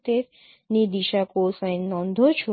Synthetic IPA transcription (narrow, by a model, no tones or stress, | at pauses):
t̪e | nid̪iʃakosə̃jnnɔ̃nd̪ʱot͡ʃʰu